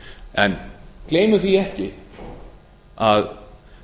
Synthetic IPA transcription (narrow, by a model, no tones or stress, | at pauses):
ɛnkleːjmʏθiɛhcɪ | að